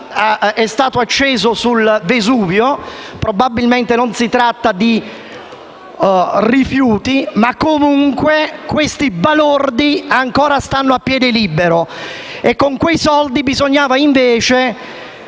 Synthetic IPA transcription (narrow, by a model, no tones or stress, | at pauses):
ɛst̪aːt̪oat͡ʃːeːzosulvezuːvjopɾobabilment̪enonsit̪ɾat̪ːad̪i | rifjuːt̪imakːomuŋkwekwest̪ibalord̪iaŋkɔːɾast̪anːoapːjɛːd̪ɪlibeɾo | ekːoŋkwejsɔld̪ibizoɲːaːvaiɱveːt͡ʃe